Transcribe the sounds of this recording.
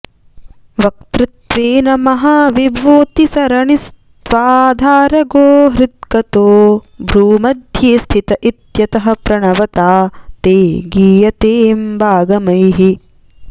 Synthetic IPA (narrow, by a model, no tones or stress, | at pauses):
ʋɐk̚t̪ɾɪt̪ʋeːnɐmɐɦaːʋibʱoːt̪isɐɾɐɳist̪t̪ʋaːd̪ʱaːɾɐɡoːɦɾɪd̪kɐt̪oːbʱɾuːmɐd̪ʱjeːst̪ʰit̪ɐʔit̪jɐt̪ɐɦɐ̆pɾɐɳɐʋɐt̪aːt̪eːɡiːjɐt̪eːmbʱaːɡɐmɐjɦi